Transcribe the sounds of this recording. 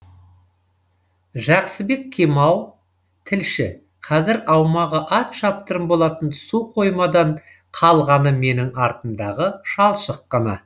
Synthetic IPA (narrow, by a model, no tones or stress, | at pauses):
ʒɑqsəbe̞kkʲʰːemɑw̪ˠ | t̪ʰɪlʃɪ | qʰɑzɪɾɑwmɑʁəʔɑt̪ʃɑp̚t̪əɾəmbo̞lˠɑt̪ənsuqʰo̞jmɑd̪ɑɴ | qʰɑlˠʁɑnəme̞nɪŋɑɾt̪ənd̪ɑʁəʃɑlˠʃəqːɑnɑ̰